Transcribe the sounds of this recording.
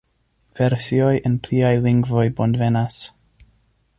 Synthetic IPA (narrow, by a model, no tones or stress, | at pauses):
vɛɾsjɔɨʔənpʰl̥iːajlˠɪŋɡvɔɨbɔndvɛnas